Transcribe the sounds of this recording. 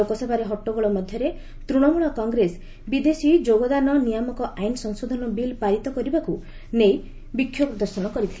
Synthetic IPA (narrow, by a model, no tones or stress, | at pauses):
okɔsebaɾeɦɔʈːoɡɔɭɔmɔd̪ʱjɔɾe | t̪ɾuɽ̃ɔmuɭɔkɔŋɡɾes | bid̪esid͡ʒoɡɔd̪anɔnijamɔkɔʔajnsɔŋsod̪ʱɔnɔbilpaɾit̪ɔkɔɾibaku | nej | bikʰːjokd̪ɔɾsɔɽ̃ɔkɔɾit̪ʰil